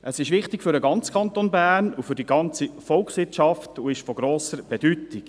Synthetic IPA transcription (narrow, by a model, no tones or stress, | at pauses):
ʔəsɪʃʋɪχtɪkfʏɾəɡɑnt͡skʰɑnt̪onbæːrnufʏɾdiɡɑnt͡sifɔlkχsʋɪtt͡ʃɑftuɪʃfɔɡɾoːsəɾb̥ɛd̥ytɪk